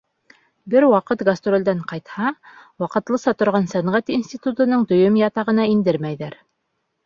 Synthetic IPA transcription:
bɘɾwɑqɤt̪ɡɐst̪ɾold̪æɴqɑjt̪hɑwɑqɤ̆t̪lˠɤ̆sɑt̪ŏɾʁɑnsæɴʁæt̪insʲt̪ʲit̪ut̪ŏnɤɴd̪ɵ̆jɵmjɑt̪ɑʁɤ̆nɑind̪ɘɾmæjðæɾ

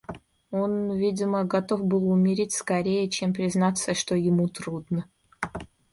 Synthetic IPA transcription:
onvʲidʲɪməɡɐt̪ofbɨlˠʊmʲɪɾʲitʲskɐɾʲejət͡ɕempɾʲɪznat̪səʂt̪ojɪmut̪ɾud̪nə

